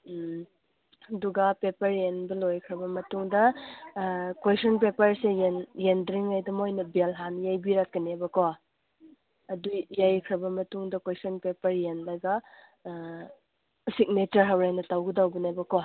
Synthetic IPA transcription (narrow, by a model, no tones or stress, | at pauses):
ɐduɡɐpepɐɾjenbɐlojkʰɾɐbɐmɐtuŋdɐ | kwejsɔnpepɐɾsejenjendɾiŋajdɐmojnɐbelɦanjajbiɾakːinebɐkow | ɐdujːajkʰɾɐbɐmɐtuŋdɐkesɔnpepɐɾjenlaɡɐ | sik̚netɐɾɦawɾajnɐtawɡɯdawbinabɐkow